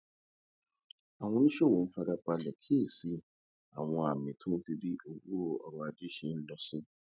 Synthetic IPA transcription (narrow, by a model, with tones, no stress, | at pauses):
a˨w̃ɔ̃˦nĩ˦ʃɛ˦˨wo˨n̩˦fa˦ɡa˦k͡pa˦lɛ˨kʰe˦˨si˦ | a̰˨w̃ɔ̃˨a˨mɪ̃˨tʰũ˦ti˨bi˦o˨wo˦˨ɔ̰˨ɾɔ˨a˨di˦ʃi˨˦n̩˦lɔ˦sɪ˦